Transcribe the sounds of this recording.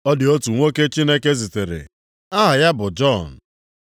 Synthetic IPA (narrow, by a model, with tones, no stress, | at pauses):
ɔ˦dɪ˨o˦tu˨ŋʷo˦ke˦t͡ʃi˦ne˦ke˦zi˨te˨ɾḛ˨ | a˦ɦa˨ja˦bʊ˨d͡ʒɔ˦˨n̩˨